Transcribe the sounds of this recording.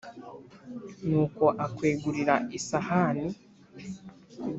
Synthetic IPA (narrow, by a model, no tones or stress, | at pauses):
nuːko̞ʔakweːɡuɾiɾaʔisahani